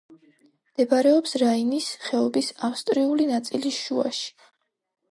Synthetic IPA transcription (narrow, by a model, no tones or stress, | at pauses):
md̪̥ɛbaɾɛɔpsɾainisχɛɔbisafst̪ʼɾiulinat̪sʼiliʃua̰ʃi̥